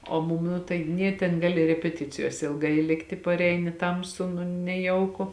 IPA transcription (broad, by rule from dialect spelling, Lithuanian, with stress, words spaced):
oː ˈmʊm ˈnʊ tɐɪ ˈnʲeː tʲɛn ˈɡɑːlʲɪ rʲɛpʲɛˈtʲɪt͡sʲɪjoːsʲɛ ɪlˠˈɡɐɪ ˈlʲɪktʲɪ pɐrʲˈɛɪnʲɪ ˈtɐmsʊ nʊ nʲɛˈjɛʊkʊ